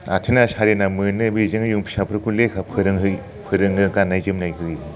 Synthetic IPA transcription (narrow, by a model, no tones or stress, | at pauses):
atʰenasʰaɾenamɯnːɯbizɯŋjuŋpʰi̥sapʰɯɾkʰulekʰapʰɯɾɯŋɦɯ | pʰɯɾɯŋɯkanajzɯmnajɡɯɾi